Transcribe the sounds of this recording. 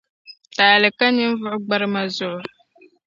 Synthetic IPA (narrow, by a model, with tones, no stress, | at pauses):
taː˨lɨ˨ka˦nɨ˦m˦vʊ˦ʔʊ˦ɡ͡ba˦ɾɨ˦ma˦zʊ˦ʔʊ˨